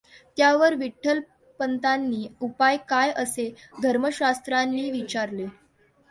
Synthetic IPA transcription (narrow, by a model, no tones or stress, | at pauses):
t̪jaʋəɾʋiʈʰːəl | pənt̪anːiːupajkajʔəsed̪ʱəɾməɕast̪ɾanːiːʋit͡ɕaɾle